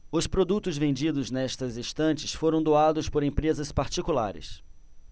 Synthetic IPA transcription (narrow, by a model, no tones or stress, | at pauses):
ʊspɾod̪ut̪ʊzvẽnd͡ʒid̪ʊznɛst̪ɐzist̪ɐ̃t͡ʃɪsfoɾɐ̃w̃d̪oad̪ʊspoɾẽpɾezɐspaɾt͡ʃikula̰ɾɪ̰s